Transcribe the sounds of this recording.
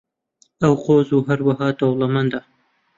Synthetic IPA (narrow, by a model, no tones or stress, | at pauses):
ɐwqoːzuːɦɐɾwɐɦɑːd̪owlˠɐmɐnd̪a